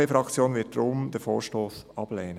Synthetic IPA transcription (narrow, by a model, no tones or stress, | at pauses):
efɾɑkt͡sjoːnvɪt̚dɾomdɛːfo̰ːɹʃtoːsɑb̥leːnə